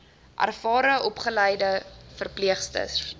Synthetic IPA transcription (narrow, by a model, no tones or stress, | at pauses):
ʔæ̰rfɑːɾəʔɔpχəlɛjdəfərpliəχstə̰s